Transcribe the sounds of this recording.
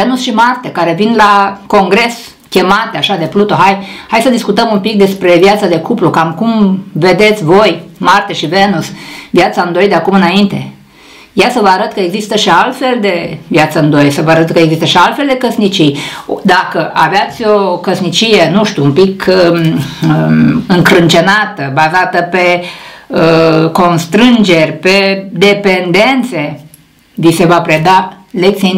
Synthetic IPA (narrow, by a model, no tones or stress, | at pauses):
venusʃimart̪ekaɾe̞vinlako̞ŋɡɾe̞s | kʲe̞mat̪eaʃad̪e̞plut̪o̞ɦajhajsəd̪iskut̪əmumpik̚d̪e̞spɾe̞vjat̪sad̪e̞kuplukamkumve̞d̪e̞t̪sʲvo̞jmart̪eʃivenusvjat̪saɨnd̪o̞jd̪eakumɨnaint̪e̞̰ | jasəvəaɾət̪kəeɡzist̪əʃialt̪fe̞ld̪e̞vjat̪səɨnd̪o̞jsəvəaɾət̪kəeɡzist̪əʃialt̪fe̞ld̪e̞kəsnit͡ʃijd̪akəʔaveat̪sʲo̞kəsnit͡ʃijenuʃt̪ʲuumpik | ɨŋkɾɨnt͡ʃenat̪əbazat̪əpe | əko̞nst̪ɾɨnd͡ʒe̞rʲpe̞d̪e̞pe̞nd̪e̞nt̪se̞ | vise̞vapɾed̪alek̚t̪sii